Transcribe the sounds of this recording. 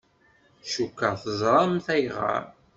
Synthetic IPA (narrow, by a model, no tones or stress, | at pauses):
ʃukːɑθəzˤɾˤɑmθæjʁa̰ɾ